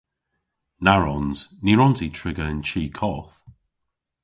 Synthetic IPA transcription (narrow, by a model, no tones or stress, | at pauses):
naɹɔnz̥niɹɔntʰitʰɹ̥ɪɡəənt͡ʃʰiːkʰɔθ